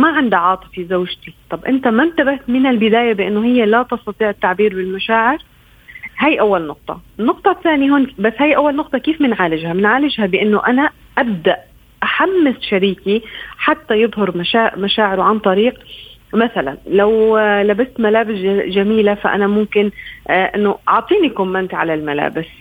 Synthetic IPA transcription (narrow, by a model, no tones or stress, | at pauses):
maʕand̪iʕɑːt̪ˤɨ̥fizawʒt̪it̪ˤɑbʔɪnt̪amant̪abaht̪mɪnɪlbɪd̪aːjabɪʔɪnːoɦɪjːalat̪ɑst̪ɑt̪ˤiːʕɪt̪ːaʕbiːɾbɪlmaʃaːʕɪɾ | hajʔawːalnʊq̚t̪ˤɑ̰ɪnːʊq̚t̪ˤɑθːaːnjiɦoːnbasːhajʔawːalnʊq̚t̪ˤɑkiːfmɪnʕaːlɪʒhamɪnʕaːlɪʒhabɪʔɪnːoʔana | ʔab̚d̪aʔ | ʔaħamːɪsʃaɾiːkiħat̪ːajɨðˤɦɑɾmaʃaːʔmaʃaːʕɪɾʊʕant̪ˤɑɾiːqmaθala̰nlawlabast̪malaːbɪsʒamiːlafa̰ʔa̰namʊmkɪnʔɪnːoʔɑʕt̪ˤiːnikʊmːant̪ʕa̰lalmala̰ːbɪs